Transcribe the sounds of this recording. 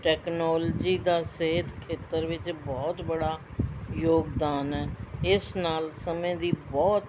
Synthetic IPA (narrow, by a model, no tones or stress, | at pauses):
ʈɛːknɔːld͡ʒiːd̪aːseɦd̪kʰeːt̪əɾʋɪt͡ʃbɔːt̪bəɽaːjoːɡd̪aːnɛːɪsnaːlsəmẽːd̪iːbɔːt̪